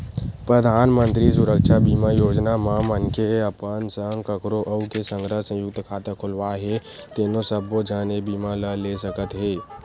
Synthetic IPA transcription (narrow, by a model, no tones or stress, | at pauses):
pɾəd̪ʱaːnmənt̪ɾisʊɾəkʃʰabiːmajoːd͡ʒnamãmənkeəpənsəŋɡkəkɾoʔəukesə̃ŋɡɾəɦsə̃jʊk̚t̪kʰaːt̪əkʰʊlʋaɦet̪eːnõsəbod͡ʒənebiːmaləlesəkət̪ɦeː